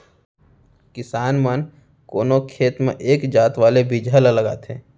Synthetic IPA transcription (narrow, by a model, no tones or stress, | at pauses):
kɪsaːnmən | koːnokʰeːt̪mḛ̃ʔeːkd͡ʒaːt̪ʋaːlebid͡ʒʱələləɡa̰ːt̪ẽː